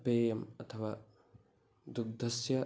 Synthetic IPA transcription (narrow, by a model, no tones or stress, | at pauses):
peːjɐmɐt̪ʰɐʋaː | d̪uk̚d̪ʱɐsjɐ